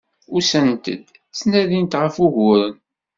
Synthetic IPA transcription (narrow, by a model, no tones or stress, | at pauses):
ʊsənt̪ə̰d̪ | t͡snæðint̪ʁəfuʝʊɾən